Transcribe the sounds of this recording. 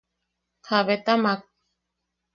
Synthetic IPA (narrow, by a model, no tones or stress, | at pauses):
kʰaβet̪amak̚